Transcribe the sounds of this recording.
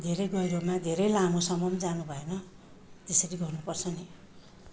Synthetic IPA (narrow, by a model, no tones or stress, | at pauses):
d̪ʱeɾʌjɡʌjɾomad̪ʱeɾʌjlamosʌmʌmd͡zanubʱʌenʌ | t̪esʌɾiɡʌrnupʌrt͡sʰʌne